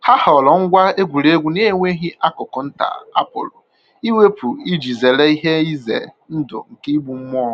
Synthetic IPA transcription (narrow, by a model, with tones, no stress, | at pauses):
ha˦hɔ˨lɔ˨ŋ̩˦ɡʷa˦e˦ɡʷu˨ɾe˦ɡʷu˨ne˦ŋʷe˦ɦi˦ʔa˦kʊ˨kɔ˨n̩˦ta̰˨a̰˦po̰˨lɔ̰˨ | i˦we˦pu˨i˦d͡ʒi˨ze˨le˦i˦ɦe˦i˦zḛ˨ | n̩˦dʊ̰˨ŋ̩˨kɪ˦i˦bu˨m̩˦m˦ɔ˦˨